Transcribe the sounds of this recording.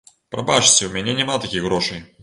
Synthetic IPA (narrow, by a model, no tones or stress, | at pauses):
pɾʔɐpat͡ʂt͡sʲɪʊmʲɪnʲanʲɪmalˠt̪ɐkʲixɣɾoʂɨj